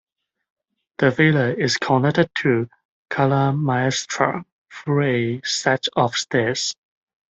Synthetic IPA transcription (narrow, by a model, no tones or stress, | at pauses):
ð̥əveləɪskʰɔ̃ndək̚təd̚tʰu | kʰaləmaɛstʰɹə̰ | fɔesat͡ʃɔfstɛs